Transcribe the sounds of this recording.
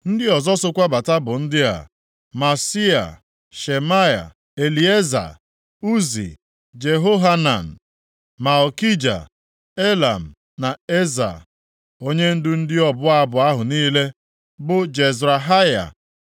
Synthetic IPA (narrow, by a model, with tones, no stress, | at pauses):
n̩˦dɪ˦ɔ˨zɔ˦sʊ˦kʷa˦ba˨ta˦bʊ˨n̩˦dɪ˦a̰˨ | ma˨si˦a̰˨ | ʃe˨ma˦ja̰˨ | e˨li˨e˦za̰˨ | u˦zḭ˨ | d͡ʒe˨ɦo˦ɦa˦na̰˨n̩˨ | ma˨ɔ˨ki˦d͡ʒa̰˨ | e˦la˨m̩˨ | na˨e˦za̰˨ | o˦ɲe˦n̩˦dʊ˦n̩˦dɪ˦ɔ˦bʊ˦a˦bʊ˨a˦ɦʊ˨niː˦le˦ | bʊ˦d͡ʒe˨zɾa˨ɦa˦ja̰˨